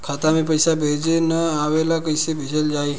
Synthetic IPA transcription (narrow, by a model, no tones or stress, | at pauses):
kʰat̪amẽpəjsabʱed͡ʒenəaʋelakəjsebʱed͡ʒəld͡ʒaj